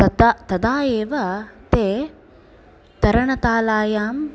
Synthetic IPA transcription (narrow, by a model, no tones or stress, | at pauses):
t̪ɐd̪aːeːʋɐt̪eː | t̪ɐɾɐɳɐt̪aːlaːjaːm